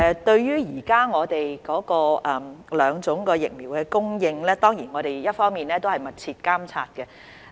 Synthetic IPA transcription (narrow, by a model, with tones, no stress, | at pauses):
ɛ˧t̪ɵ˧ɥjyː˥jiː˨˩kaː˥ŋɔː˨˧t̪e˨jkɔː˨˥kɔː˧ʔɐ˨mlœː˨˧ŋt͡sʊ˨˥ŋkɔː˧jɪ̰˨k̚miː˨˩wkɛː˧kʊ˥ŋjɪ˧ŋlɛː˥t̪ɔː˥ŋjiː˨˩nŋɔː˨˧ɾe˨jjɐ˥t̚fɔː˥ŋmiː˨˩nlɛː˥t̪o˥whɐ˨˩jmɐ˨t̚t͡sʰiː˧t̚kaː˥mt͡sʰa̰ː˧t̚kɛ˧